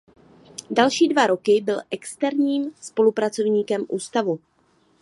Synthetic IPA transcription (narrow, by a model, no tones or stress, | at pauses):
dalʃiːdvaɾo̞kɪbɪlʔɛkst̪ɛɾɲiːmspo̞lupɾat͡so̞vɲiːkɛmʔuːst̪avu